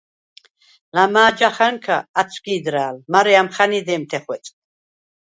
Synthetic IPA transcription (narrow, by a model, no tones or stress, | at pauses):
lamaːd͡ʒaχaŋkʰaːt͡sʰɡiːd̪ɾaːlmaɾɛamχanid̪ɛːmt̪ʰɛχwɛt͡sʼ